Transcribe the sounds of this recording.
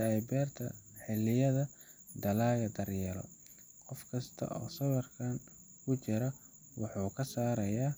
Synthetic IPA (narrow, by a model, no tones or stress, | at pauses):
ɐɛjbɛːrt̪ʰɐ̰ħɪlɪjɐðɐ | d̪ɐlaːɣɐd̪ɐrjɛlɔ̰ | qɔfkʰɐst̪ʰɐ̰ʔɔ̰ːsɐwɐrkʰan | kʰʊt͡ʃɪɾɐ | wɑħuːkʰɐsaːɾɐjaː